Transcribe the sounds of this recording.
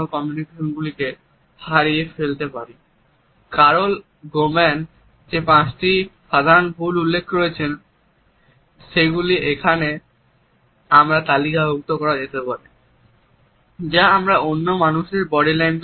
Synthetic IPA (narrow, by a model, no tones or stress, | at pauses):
okɔmjunikeʃonɡulike | haɾiefelt̪epaɾi | kaɾol | ɡomen | d͡ʑepãt͡ɕʈiʃad̪ʱanpululːekʰːɾoet͡ɕʰen | ʃeɡuliekʰane | amɾat̪alikaɦok̚t̪okɔɾad͡ʑet̪epaɾi | d͡ʑaamɾaonːomanuʃeɾbɔɽilajn